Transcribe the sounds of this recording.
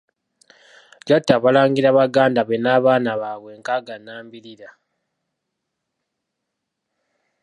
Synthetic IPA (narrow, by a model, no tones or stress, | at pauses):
ɟatːaβalaːŋɡiɾaβaɡaːndaβenaːβaːnaβaːβwe̞ŋkaɡanaːmbiɾiɾa